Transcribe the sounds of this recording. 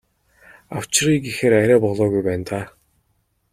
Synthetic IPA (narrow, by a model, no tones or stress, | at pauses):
aw̥t͡ɕriːɡixeːɾæɾʲæːpɔɮɔːɣujpæːnt̪aː